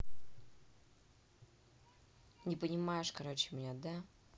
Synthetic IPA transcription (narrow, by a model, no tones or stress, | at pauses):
nʲɪpənʲɪmajɪʂkɐɾot͡ɕːɪmʲɪnʲad̪a